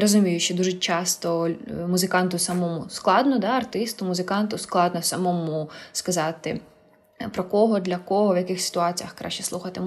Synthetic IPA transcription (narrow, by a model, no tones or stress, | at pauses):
ɾɔzʊmʲijʊʃt͡ʃɔd̪uʒɛt͡ʃɑst̪ɔmʊzɪkɑnt̪ʊsɐmɔmʊsklˠɑd̪nɔd̪ɑɐrt̪ɪst̪ʊmʊzɪkɑnt̪ʊsklˠɑd̪nɔsɐmɔmʊskɐzɑt̪ɪ | pɾɔkɔɦɔd̪lʲɐkɔɦɔʋjɐkɪxsʲɪ̥t̪ʊɑt͡sʲijɐxkɾʔɑ̰ʃt͡ʃɛ̥slˠuxɐt̪ɪ